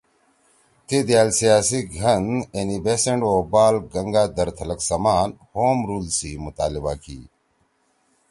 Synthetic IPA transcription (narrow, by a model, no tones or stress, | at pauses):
t̪ʰed̪jaːlsijaːsiɡʱɐnenibeːseɳɖoːbaːlɡɐŋɡaːd̪ɐɾt̪ʰɐlɐksɐmaːnhoːmɾuːlsimut̪aːlibaːkʰḭː